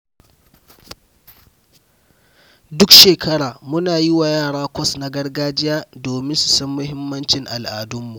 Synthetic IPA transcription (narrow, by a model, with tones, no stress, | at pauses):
dʊ˦kʃeː˨kʰɐ˦ɽaː˨mʊ˦naː˨ji˦wa˨jaː˦˨ɽaː˦kʷɔ˦˨sna˨˦ɡɐ˦rɡaː˦d͡ʒɪ˦jaː˦doː˨mɪ˦nsʊ̥˨sɐ˦mːʊ˦hɪ˦mːɐ˦nt͡ʃɪ˨ŋʔa˨lʔaː˨dʊ˦mːu˨